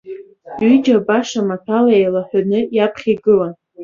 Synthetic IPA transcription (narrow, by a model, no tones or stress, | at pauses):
ɥid͡ʒabaʂamatʰaljejlaħʷᶣanɨjapʰχʲiɡɨlan